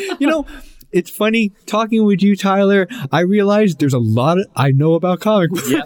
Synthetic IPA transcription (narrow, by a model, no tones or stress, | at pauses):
jɨnoʊɨtsfʌnitʰɔkɪ̃ŋwɪðjɨtʰaɪlˠə˞aɪɹiɨlaɪzðə˞zəlɔɾɨʔaɪnoʊəbaʊt̚kʰɑmɨk